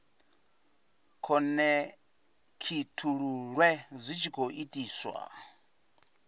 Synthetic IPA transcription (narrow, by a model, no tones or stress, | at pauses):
kʰɔnɛ | kʰitʰuɺuɺwɛzʷit͡ʃʰikʰoʔitʼiːswa̰